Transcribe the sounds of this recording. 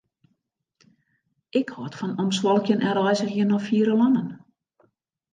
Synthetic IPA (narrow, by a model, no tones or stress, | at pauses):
ɪkhɔtfɔnɔmswɔlˠkjənʔɛɾɔjzəxjiənɔfiəɾəlɔnən